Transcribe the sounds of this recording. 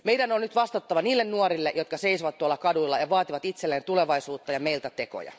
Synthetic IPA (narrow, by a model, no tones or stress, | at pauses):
meidænonnyt̪ʋɑst̪ɑt̪ːɑʋɑniːlːennuɔrilːeʔjot̪kɑseisoʋɑt̪t̪ːuoɑlːɑkɑduilːɑjɑʋɑːt̪iʋɑt̪it̪selːeːnt̪uleʋɑisuːt̪ːɑjɑmeilt̪æt̪eko̰jɑ̰